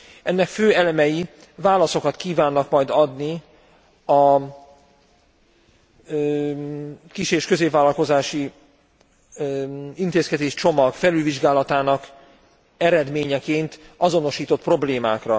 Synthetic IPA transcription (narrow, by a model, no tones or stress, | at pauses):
ʔɛnːɛkføːɛlɛmɛji | vaːlɒso̞kɒt̪kiːvaːnːɒkmɒjd̪ɒd̪ni | ɒ | kiʃeːʃkø̞zeːpvaːlɒlko̞zaːʃi | int̪eːskɛd̪eːʃt͡ʃo̞mɒɡfɛlylviʒɡaːlɒt̪aːnɒk | ɛɾɛd̪meːɲɛkeːnt̪ɒzo̞noʃiːt̪o̞t̪pro̞bleːmaːkrɒ